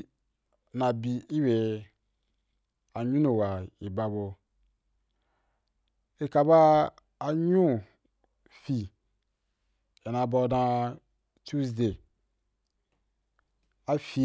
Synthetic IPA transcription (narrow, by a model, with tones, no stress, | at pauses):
na˨bi˨i˦we˨ | a˨ɲũ˦no˨wa˨i˨ba˨bo˨ | e˨ka˨baː˦˨ | ɲũ˦ | fi˨ | e˨na˨bɔ˧dã˧ | tu˦sde˨ | a˦fi˨